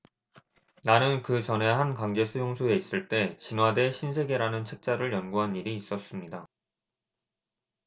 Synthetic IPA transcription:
nanɯnkɯt͡ɕʌne̞ɦankaŋd͡ʑe̞sʰujoŋsʰue̞is͈ɯɭt͈e̞t͡ɕinwade̞ɕʰinsʰe̞ɡeɾanɯnt͡ɕʰe̞k̚t͡ɕ͈aɾɯɭjʌnɡuɦaniɾiːs͈ʌs͈ɯmɲida

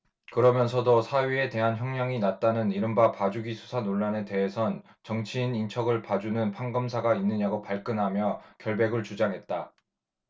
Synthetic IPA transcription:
kɯɾʌmjʌnsʰʌdosʰaɥie̞te̞ɦançjʌŋɲʌŋinat̚t͈anɯniɾɯmbapad͡ʑuɡisʰu̥sʰanoɭːane̞te̞ɦesʰʌn | t͡ɕʌŋt͡ɕʰiːnint͡ɕʰʌɡɯɭpad͡ʑunɯnpʰaŋɡɯmsʰaɡainːɯɲaɡopaɭk͈ɯnɦamjʌkjʌɭbe̞ɡɯɭt͡ɕud͡ʑaŋɦe̞t̚t͈a

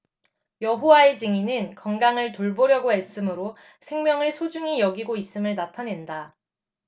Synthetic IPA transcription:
jʌɦowaed͡ʑɯŋinɯnkʌŋɡaŋɯɭtoɭboɾjʌɡoes͈ɯmɯɾo | sʰe̞ŋmjʌŋɯɭsʰod͡ʑuŋijʌɡiɡois͈ɯmɯɭnatʰane̞nda

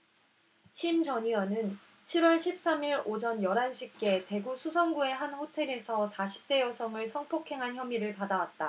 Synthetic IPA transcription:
ɕʰimd͡ʑʌɲiwʌnɯn | t͡ɕʰiɾwʌɭɕʰip̚s͈amiɾod͡ʑʌnjʌɾanɕʰik̚k͈e̞te̞ɡusʰusʰʌŋɡue̞ɦanɸotʰe̞ɾe̞sʰʌsʰaɕʰi̥p̚t͈e̞jʌsʰʌŋɯɭsʰʌŋpʰokʰe̞ŋɦançjʌmiɾɯɭpadawat̚t͈a

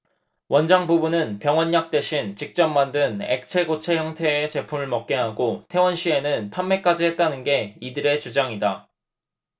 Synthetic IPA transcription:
wʌnd͡ʑaŋbubunɯnpjʌŋwʌnːak̚t͈e̞ɕʰint͡ɕik̚t͡ɕ͈ʌmːandɯne̞̰k̚t͡ɕʰe̞ɡot͡ɕʰe̞çjʌŋtʰe̞ːt͡ɕe̞pʰumɯɭmʌk̚k͈e̞ɦaɡotʰe̞wʌnɕʰie̞nɯnpʰanme̞k͈ad͡ʑiɦe̞t̚t͈anɯnɡe̞idɯɾe̞t͡ɕud͡ʑaŋida

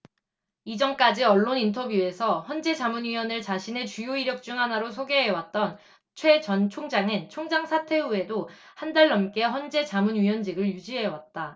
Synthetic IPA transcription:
id͡ʑʌnk͈ad͡ʑiʌɭːonintʰʌbjue̞sʰʌçʌnd͡ʑe̞d͡ʑamunɥiwʌnɯɭt͡ɕaɕʰine̞t͡ɕujoiɾjʌk̚t͡ɕ͈uŋɦanaɾos̬ʰoɡe̞ɦewat̚t͈ʌn | t͡ɕʰwe̞t͡ɕʌnt͡ɕʰoŋd͡ʑaŋɯnt͡ɕʰoŋd͡ʑaŋsʰatʰe̞ue̞do | handaɭːʌmk͈e̞ɦʌnd͡ʑe̞t͡ɕamunɥiwʌnd͡ʑiɡɯɭjud͡ʑiɦe̞wat̚t͈a

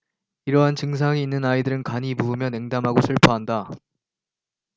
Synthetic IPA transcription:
iɾʌɦant͡ɕɯŋs̬ʰaŋiːnːɯnaidɯɾɯnkaɲibuɯmjʌne̞ŋdamɦaɡosʰɯɭpʰaɦanda

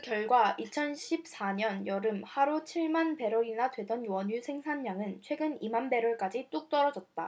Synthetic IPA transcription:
kjʌɭɡwait͡ɕʰʌnɕʰip̚s͈aɲʌnjʌɾɯmhaɾot͡ɕʰiɭmanpe̞ɾoinadwe̞dʌnwʌɲusʰe̞ŋsʰanːaŋɯnt͡ɕʰwe̞ɡɯnimanbe̞ɾwʌɭk͈ad͡ʑit͈ok̚t͈ʌɾʌd͡ʑʌt̚tt͈a

